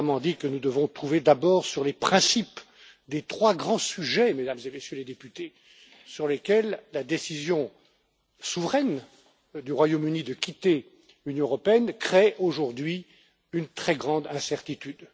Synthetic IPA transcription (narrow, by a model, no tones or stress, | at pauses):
mɑ̃d̪ikənud̪əvɔ̃t̪χuved̪abɔːʁsyʁlepχɛ̃sip | d̪et̪χwaɡʁɑ̃syʒɛmed̪amzemesjøled̪epyt̪e | syʁlekʲɛlːad̪esizjɔ̃ | suvʁɛn | d̪yʁwajomynid̪əkʲit̪e | lynjɔ̃əʁɔpeɛnkχeʔoʒuʁd̪ɥi | ynt̪χɛɡʁɑ̃d̪ɛ̃sɛʁt̪it̪yd̪